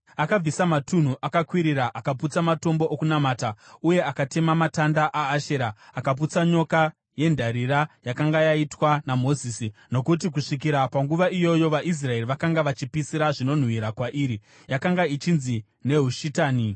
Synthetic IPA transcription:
akab͡visamatun̤uʔakakwiɾiɾaʔakaput͡samato̞mbo̞ʔokunamaːtauje̞akate̞mamatandaʔaːʃeɾaːkap̬ut͡saɲo̞ka | je̞ndʱaɾiɾajakaŋɡajaitwanamo̞zisino̞kut̬ik̬uʂik̬iɾapaŋɡuʋaʔijo̞jo̞ʋaʔis̬rae̞riʋakaŋɡaʋat͡ʃipisiɾaʐino̞n̤wiɾakwaʔiːɾi | jakaŋɡait͡ʃinzi | ne̞ɦuʃitaːni

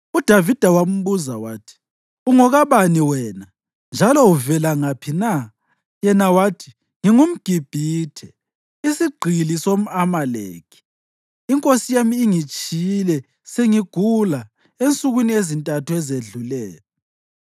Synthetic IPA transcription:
ud̥ʱavid̥ʱawam̩βuzawaːtʰi̥ | uŋɔɣaβaniwɛna | nd͡ʒʱalɔuvɛlaŋapʰina | jɛnawaːtʰi̥ | ŋiŋum̩ɡ̥ʱib̥ʱiːtʰɛ | isiɡ͡ǀʱilisom̩amalḛːkʰi̥ː | ŋkʼosijamiːŋit͡ʃʼilɛ | seŋiɡ̥ʱula | ent͡sʼuɣwiniezintʼatʰuɛzeɮulɛːlɔ

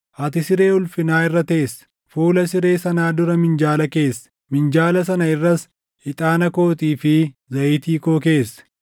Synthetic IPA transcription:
ʔɐt̪ɪsɪɾe̞ːʊlfɪnaːɪrːɐt̪e̞ːsɐ̥ | fuːlɐsɪɾe̞ːsɐnaːd̪ʊɾɐmɪnd͡ʒaːlɐke̞ːsːɐ̥ | mɪnd͡ʒaːlɐs̬ɐnɐɪrːɐs | hɪt̪ʼaːnɐko̞ːt̪ʼiːfɪzɐʔɪt̪iːkoːke̞ːsːɐ̥

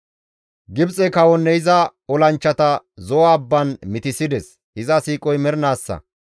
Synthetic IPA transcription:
ɡɪbt͡sʼɛkɐwɔnːɛjɪzɐɔlɐnt͡ʃːɐt̪ɐ | zɔwaːbːɐnmɪt̪ɪsɪd̪ɛs | hɪzɐsiːkʼɔjmɛɾnaːsːɐ̰

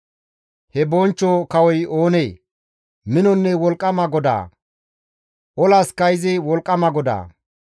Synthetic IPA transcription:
hɛbɔnt͡ʃːoːkɐwɔjoːneː | mɪnɔnːɛwɔlkʼːɐmɐɡɔd̪a̰ː | ʔɔlaskɐjɪzɪwɔlkʼːɐmɐɡɔd̪a̰ː

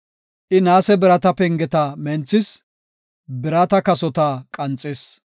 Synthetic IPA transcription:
ʔɪnaːsɛbɪɾɐt̪ɐpɛŋɡɛt̪ɐmɛnt͡sːɪs | bɪɾɐt̪ɐkɐsɔt̪aːkʼɐnt͡sʼːɛs

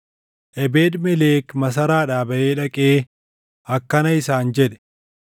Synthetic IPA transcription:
ʔɛbeːd̪mɛleːkmɐs̬ɐɾaːᶑaːbɐʔeːᶑɐkʼeː | ɐkːɐnɐɪsaːnd͡ʒɛᶑɛ̥

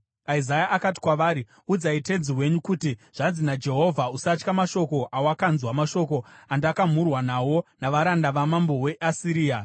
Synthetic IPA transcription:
aizajaʔakat̬i̥kwaʋaːɾi | ud͡zaite̞d͡ziwe̞ɲukutiʐ̥anzinad͡ʒe̞ɦo̞vʱausat͡ʃkamaʃo̞ko̞ʔawakanzwamaʃo̞ko̞andakam̤urwanawo̞naʋaɾandaʋamambo̞we̞ʔasiɾiːa

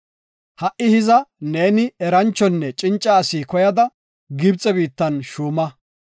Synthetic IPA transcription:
hɐʔɪhɪzɐne̞ːnɪɛɾɐnt͡ʃːɔnːɛt͡ʃʼɪnt͡ʃʼːɐːsiːkɔjɐd̪ɐ | ɡɪbt͡sʼɛbiːt̪ːɐnʃuːmɐ

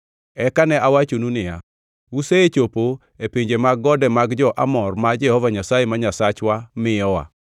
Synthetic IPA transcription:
ɛkanɛʔawat͡ʃonunɪja̰ | useet͡ʃopo | epeɲd͡ʒemaɡːɔdɛmaɡd͡ʒɔʔa̰mɔrmad͡ʒɛhɔvaɲasajemaɲasat͡ʃwamɪjɔwa̰

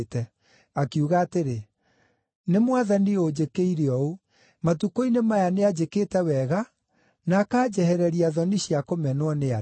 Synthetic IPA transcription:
tɛ | akiuɣaːteɾe | nemwaðaniod͡ʑekeiɾeɔo | matukoinemajanead͡ʑeketɛwɛɣa | nakaːd͡ʑɛhɛɾɛɾiaðɔniɕiakomɛnwɔnea

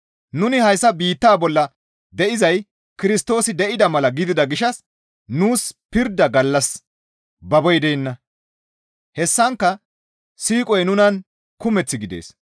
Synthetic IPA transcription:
nʊnɪhɐjsːɐbiːt̪ːaːbɔlːɐ | d̪ɛʔɪzɐj | kɪɾɪst̪o̞ːsɪd̪ɛʔɪd̪ɐmɐlɐɡɪd̪ɪd̪ɐɡɪʃɐs | nuːspɪɾd̪ːɐɡɐlːɐs | bɐbɔjd̪ɛnːɐ | hɛsːɐŋkːɐ | siːkʼɔjnʊnɐn | kʊmɛt͡sːɪɡɪd̪ḛːs

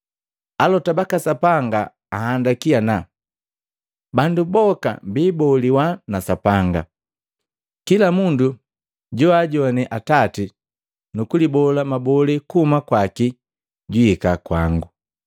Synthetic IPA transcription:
alɔtabakasapaŋɡaː | handakiana | bandubɔka̰mbiːbɔliwanasapaŋɡa̰ | kilamundu | ɟɔaɟɔnɛʔatati | nukulibɔlamabɔlikuhumakwaki | ɟwiikakwaŋɡu

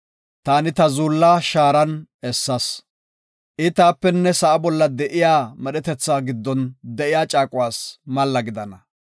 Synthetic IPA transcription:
t̪aːnɪt̪ɐzuːlːaːʃaːɾɐnɛsːɐs | ʔɪt̪aːpːɛnːɛsɐʔɐbɔlːɐd̪ɛʔɪjaːmɛɗɛt̪ɛt͡sːaːɡɪd̪ːɔnd̪ɛʔɪjaːt͡ʃʼaːkʼʊwaːsmɐlːɐɡɪd̪ɐnɐ

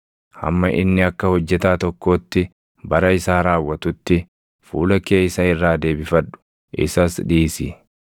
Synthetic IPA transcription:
hɐ̰mːɐʔɪ̰nːɪɐkːɐhɔd͡ʒːɛt̪aːt̪ɔkːo̞ːt̪ːɪ | bɐɾɐɪsaːɾaːwːɐt̪ʊt̪ːɪ | fṵːlɐke̞ːjsɐɪrːaːd̪e̞ːbɪfɐᶑʊ̥ | ʔɪ̰sɐsᶑiːsi

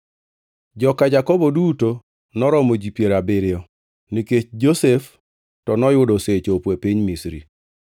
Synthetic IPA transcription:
d͡ʒɔkad͡ʒakɔbɔduto | nɔɾɔmod͡ʒipjeɾabɪɾɪɔ | niket͡ʃd͡ʒosef | tɔnɔjʊdɔset͡ʃopwepiɲmisɾḭ

